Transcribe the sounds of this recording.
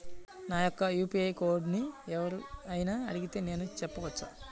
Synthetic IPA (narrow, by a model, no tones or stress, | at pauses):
naːjɔkːɐjuːpiɐjko̞ːɾɖniɛʋɐɾuɐjinaɐɽiɡit̪e̞ːne̞ːnut͡ʃɛpːɐʋɐt͡ʃːa̰